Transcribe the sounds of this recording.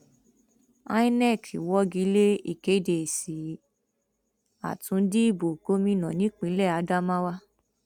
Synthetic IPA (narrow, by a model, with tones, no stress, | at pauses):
a̰˦˧ĩ˦nɛ˦˨kʰḭ˨wɔ˦ɡi˨˧˦le˦ḭ˦˨ke˨˦de˨si˨ | a̰˨tũ˧˦di˦i˦˨bo˨ko˦mĩ˦nã˨nĩ˨˦k͡pĩ˨˧˦lɛ˦˨a˨˧˦da˦mã˦wa˦